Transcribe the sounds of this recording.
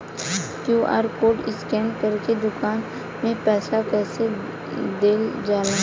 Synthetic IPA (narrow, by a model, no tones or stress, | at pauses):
kjuːʔa̰ːɾkoːʈɪskɛːmkəɾked̪ʊkaːn | mẽpɛːsakɛːse | d̪eːld͡ʒaːlã